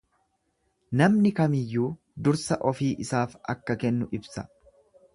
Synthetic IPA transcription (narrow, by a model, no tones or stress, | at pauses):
nɐmnɪkɐmɪjːuː | d̪ʊɾsɐʔɔfiːʔɪsaːfɐ̰kːɐkɛnːʊʔɪbsɐ̥